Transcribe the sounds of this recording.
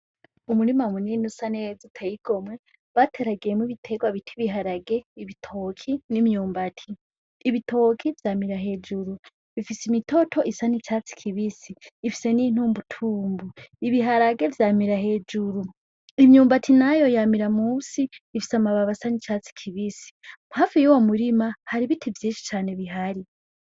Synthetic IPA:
umuɾimamuninusanezitʰejiɡ̥o̞mŋe̞ | βatʰe̞ɾaɡijemwiβitʰe̞ɡwaβitʰiβiɦaɾaɡe̞iβitʰo̞kʰinimɲuːmbatʰiː | βitʰo̞kʰivjaːmiɾaɦe̞ːd͡ʒuɾu | βifisimito̞tʰo̞ʔisanit͡ʃaːt͡si̥kʰiβisiːfi̥se̞nin̥uːmbutʰuːmbuiβiɦaɾaɡe̞vjaːmiɾahe̞ːd͡ʒuɾu | imɲuːmbatʰinajo̞jamiɾamuːsiːfi̥samaβaβasanit͡ʃat͡si̥kʰiβisi̥haːfijuwomuɾimahaɾiβitʰivjiːʃi̥t͡ʃaːne̞βiɦaɾi

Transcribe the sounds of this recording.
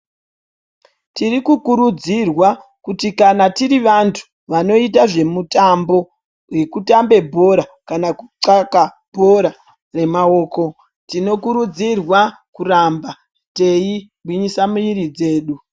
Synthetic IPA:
tirikukuɾud͡zirwakutikanatiɾiʋantʰu̥ | ʋano̞itaʐe̞mutambo̞ | we̞kutambe̞bʱo̞ɾakanaku̥ǀaka | bʱo̞ɾa | re̞mao̞ːko̞ | tino̞kuɾud͡zirwakuramba | te̞i | bʱwiɲisamuiɾid͡ze̞ːɗu

